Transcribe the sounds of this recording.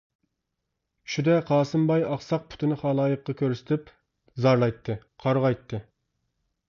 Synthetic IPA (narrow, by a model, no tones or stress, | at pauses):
ʃud̪ɛqʰɑːsɨmbɑjɑχsɑq̚pʰʊ̥t̪ʰɨnɨχɑlˠɑːjɨqːɑkʲʰøɾsɪ̥t̪ʰɪp | zɑɾlˠɑjt̪ʰːɨ | qʰɑɾʁɑjt̪ʰːɨ